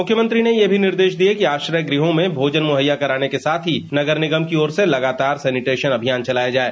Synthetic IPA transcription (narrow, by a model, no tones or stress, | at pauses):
mʊkʰːjəmə̃nt̪ɾinejebʱinɪɾd̪eːʃd̪iekiaːʃɾəjɡɾiɦõmẽbʱoːd͡ʒənmʊɦəjːakɐɾaːnekesaːt̪ʰɦinɐɡəɾnɪɡəmkiɔːɾselɐɡaːt̪aːɾsɛːnɪʈeːʃənɐbʱijaːnt͡ʃɐlaːjad͡ʒaːeː